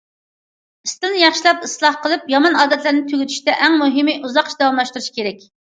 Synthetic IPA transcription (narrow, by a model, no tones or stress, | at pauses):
ist̪ɨlnɨjɑχʃilˠɑpislˠɑhqəlˠɨpjɑmɑnɑːd̪ɛt̪ʰlɪɾnɪt̪ʰyɡʲyt̪ʰy̥ʃt̪ɛʔɛŋmuɦɪmɨʔuzɑqʃʰd̪ɛwɑmlˠɑʃt̪uɾuʃi̥kʲʰeɾɛkʲ